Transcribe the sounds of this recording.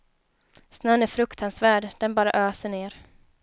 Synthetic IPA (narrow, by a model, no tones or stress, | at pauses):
snœnæɾfɾɵkt̪ʰansvæːɖd̥̪ɛnbɑːɾa̰ʔøːsəɳeːɾ